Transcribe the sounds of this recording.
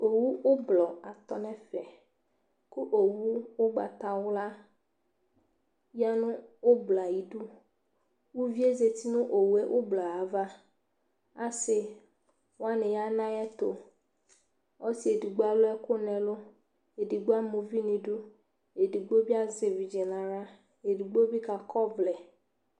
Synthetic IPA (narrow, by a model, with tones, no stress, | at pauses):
o˨wu˦wo˦blɔ˨a˨t̪ɔ˨nɛ̃˦fɛ˨ | ko˦ʔo˨wu˦wo˦ɡ͡ba̰˨t̪a˨wo˦la˦ | ja˦nʊ̃˦wo˦bla˨ji˨ɖu˦ | wu˦vi˦e˦ze˨t̪i˦nũ˦ʔo˨wu˨e˦ʔo˦blɔ˨a˨va˦ | a̰˦sɪ˨ | wa˦nɪ̃˨ja˦nã˦jɛ˦t̪ʊ˨ | ɔ˦si˦e˨di˨ɡ͡ba˨lʊ˦ɛ˦kʊ˦nɛ̃˨lʊ˦ | e˨di˨ɡ͡bo˦a˦mu˨vi˦nĩ˨du˦ | e˨di˨ɡ͡bo˦bi˦a˦zɪ˨vi˨d͡ʒɛ˨nã˨ɾa˦ | e˨di˨ɡ͡bo˦bi˦ka˨kʰɔ˦vlɛ˨